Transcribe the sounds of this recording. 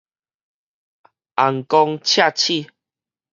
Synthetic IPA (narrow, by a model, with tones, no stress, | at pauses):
ʔa˨ŋkɔ˧ŋt͡ɕʰja˥˧˨t͡ɕʰi˥˧˨